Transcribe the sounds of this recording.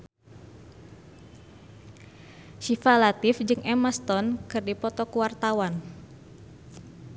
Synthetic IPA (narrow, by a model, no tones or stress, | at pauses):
ʃifalat̪ɪfd͡ʒɨŋʔɛmast̪ɔnkɨrdipɔt̪ɔkuwart̪awan